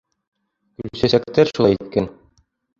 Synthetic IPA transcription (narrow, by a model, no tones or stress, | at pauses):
ʉlsæsæk̚t̪æɾʃulˠɑjit̪̚kæn